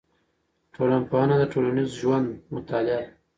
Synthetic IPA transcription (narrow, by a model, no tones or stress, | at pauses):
ʈʰolanpoɑnad̪əʈolanizʒwand̪mʊt̪alɪa